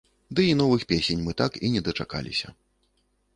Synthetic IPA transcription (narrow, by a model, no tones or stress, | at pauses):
d̪ɨinɔvɨxpʲesʲɛnʲmɨt̪akinʲɛd̪ɐt͡ʂa̰ka̰lʲḭsʲɐ